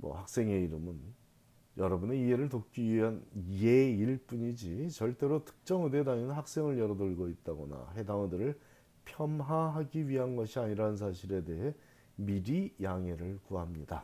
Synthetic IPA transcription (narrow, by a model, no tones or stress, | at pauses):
mʌ̰hak̚s͈e̞ŋe̞iɾɯmɯn | jʌɾʌbune̞iɦe̞ɾɯɭtok̚k͈iɥiɦanje̞iɭp͈uɲid͡ʑit͡ɕʌɭt͈e̞ɾotʰɯ̥k̚t͡ɕ͈ʌŋɯde̞daŋeɯnɦak̚s͈e̞ŋɯɭjʌɾʌdoɭɡoit̚t͈aɡʌna̰ɦe̞daŋɯdɯɾɯɭ | pʰjʌmɦaɦaɡiɥiɦanɡʌɕʰiaɲiɾanɯns̬ʰaɕʰiɾe̞de̞ɦe̞ | miɾijaŋe̞ɾɯɭkuɦamɲida